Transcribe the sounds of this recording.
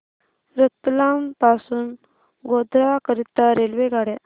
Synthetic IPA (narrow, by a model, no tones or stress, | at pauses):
ɾət̪lampasuːn | ɡod̪ɾakəɾit̪ːaɾelʋeɡaɽe